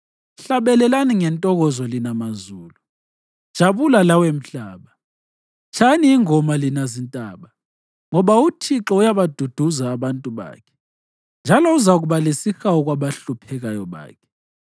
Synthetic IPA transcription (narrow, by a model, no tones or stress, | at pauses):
ɬaβɛlɛlaniŋɛntʼɔɣɔzɔlinamazuːlu̥ | ʒ̥ʱaβulalawem̩ɬaːβa | t͡ʃʰaniːŋɔmalinazintʼaːɓa | ŋɔβautʰiǁɔujaβad̥ʱud̥ʱuzaːβantʼuβa̰ːkʰɛ̥ | nd͡ʒʱalɔuzaɣuβalesixawɔɣwaβaɬupʰɛɣajɔβa̰ːkʰɛ̥